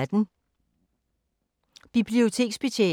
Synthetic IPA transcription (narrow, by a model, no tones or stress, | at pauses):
d̥n̩ | b̥ib̥lio̝t͡sʰe̝̰ːɡ̥sb̥e̝ɕʰḛ